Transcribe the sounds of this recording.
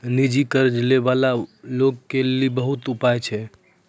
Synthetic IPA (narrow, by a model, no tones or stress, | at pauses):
nid͡ʒikəɾd͡ʒlebalalokːelibəɦut̪upajt͡ʃʰɛ